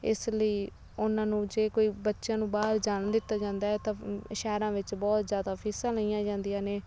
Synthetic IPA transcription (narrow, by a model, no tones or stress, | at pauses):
ɪsləiː | ʊnãːnũːd͡ʒeːkoːiːbətːʃjãːnũːbaːɾd͡ʒaːnd̪ɪt̪ːaːd͡ʒãːnd̪aːɛːt̪ãːʃɛːɾãːʋɪt͡ʃbɔːt̪zjaːd̪aːpʰɪːsãːləijãːd͡ʒãːnd̪ijãːneː